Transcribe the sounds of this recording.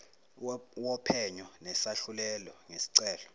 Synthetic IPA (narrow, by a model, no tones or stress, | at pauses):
wɔpʰɛɲɔnɛsaɬulɛlɔŋesi̥ǀɛːlɔ̥